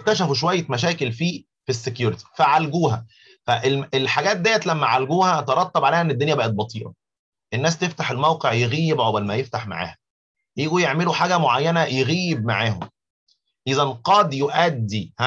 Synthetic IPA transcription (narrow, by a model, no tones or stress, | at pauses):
k̚t̪æʃ̬æfuʃ̬owæjːæmæʃæːkelfiː | fisːekjuːɾɪt̪i̥fæʕalɡuːhæ̰ | fæʔelelħaɡæːt̪̚d̪æjːæt̪læmːæʕalɡuːhæt̪eɾˤɑt̪ˤːɑbʕaleːhæʔenːed̪ːonjæbæːʔæt̪̚bɑt̪ˤiːʔɑ̰ | ʔenːæːst̪eft̪aħelmæwqeʕjeɣiːebʕobælmæjeft̪aħma̰ʕa̰ːhæ | jiːɡujeʕmeluħaːɡæmoʕajːænæjeɣiːeb̚ma̰ʕaːho̰m | ʔizænqɑd̪joʔæd̪ːih